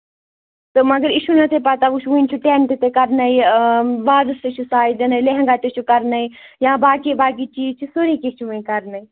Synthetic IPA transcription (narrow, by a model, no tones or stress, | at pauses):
t̪omɐɡəɾiʃunɐt̪ʰepɐt̪auʃʋũĩnt͡ʃʰuʈeːnʈit̪ekɐɾnɐibaːd̪ɨst̪et͡ʃʰusaːid͡ʒɐnɐileɦŋɡat̪et͡ʃʰukɐɾnɐijãːbaːkibaːk̬it͡ʃiːt͡ʃʰusoɾikit͡ʃʰuʋũĩkɐɾnɐi